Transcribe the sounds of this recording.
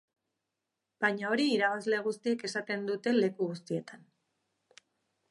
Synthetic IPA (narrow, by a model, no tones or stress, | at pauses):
b̥ajɲao̞ɾiːɾaβazle̞ɣ̞ust̪ie̞ke̞sat̪e̞nd̪ut̪e̞le̞kuɣust̪ie̞t̪an